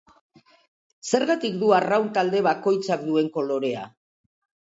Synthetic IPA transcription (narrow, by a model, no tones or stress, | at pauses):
se̞ɾɣat̪ikd̪uarawnt̪ald̪e̞βako̞jt͡sakd̪ue̞ŋko̞lo̞ɾe̞a̰